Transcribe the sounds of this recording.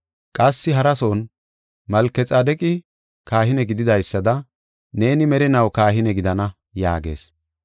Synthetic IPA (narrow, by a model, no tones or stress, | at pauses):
kʼɐsːɪɦɐɾɐsoːn | mɐlkːɛt͡sʼɐd̪ɛkʼɪ | kaːhɪnɛɡɪd̪ɪd̪ɐjsːɐd̪ɐ | ne̞ːnɪmɛɾɪnɐwkaːɦɪnɛɡɪd̪ɐnɐ | ja̰ːɡe̞̰ːs